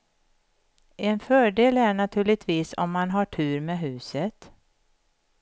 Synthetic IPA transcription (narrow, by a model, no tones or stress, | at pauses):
ɛnfœːɖeːlæɳat̪ʰʉ̟ːɭɪɡ̚t̪ʰviːsɔ̰mːanɦaʈʰʉ̟ːɾmeːɦʉ̟ːsət̪